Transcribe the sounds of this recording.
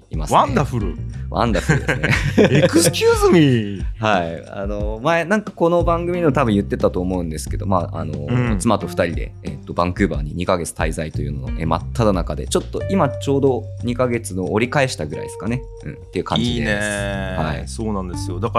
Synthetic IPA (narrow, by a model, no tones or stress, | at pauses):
ima̰sãnd̪aɸɯ̟ɾɯβʔã̰nd̪aɸɯɾɯekɯskʲɨːzɨmʲihai | a̰no̞maenãŋkako̞no̞bãŋɡɯ̟mʲiɲemot̪abɯ̟̃jɯ̟t̪ːe̞t̪at̪o̞ːmo̞ɯ̟̃nd̪e̞sɨ̥ke̞d̪o̞̰maːa̰no̞̰t͡sɨmat̪o̞ɸɯ̥t̪aɾʲid̪e̞̰et̪ːo̞bãŋkɯ̟ːba̰ːɲ̟iɲ̟ikaɡe̞t͡sɨ̥t̪aizait̪o̞jɯ̟nono̰ʔḛːma̰t̪ʰːad̪anakad̪e̞̰t͡ɕo̞t̪ːo̞ʔimat͡ɕo̞ːd̪o̞ɲ̟ikaɡe̞t͡sɨno̞ːɾʲikae̞ɕi̥t̪aɡɯ̟ɾa̰id̪esɨ̥kane̞ | ɯ̟̰̃ɴt̪ːe̞iɯ̟kã̰ɲd͡ʑid̪eehaḭsoːnãnd̪esɨjod̪aka